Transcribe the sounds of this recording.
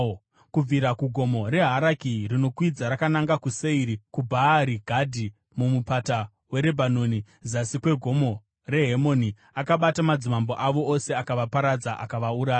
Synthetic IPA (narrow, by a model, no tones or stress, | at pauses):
kub͡viɾakuɡʱo̞mo̞ɾe̞ɦaɾakirino̞kwid͡zaɾakanaŋɡakuse̞iɾikubʱaːɾiɡʱadʱi | mumupata | we̞ɾe̞bʱanoni | zasikwe̞ɡʱo̞mo̞ | re̞ɦemo̞ni | akaɓatamad͡zimambo̞ʔaʋo̞ose̞akaʋapaɾad͡zaʔa̰kaʋauɾaːja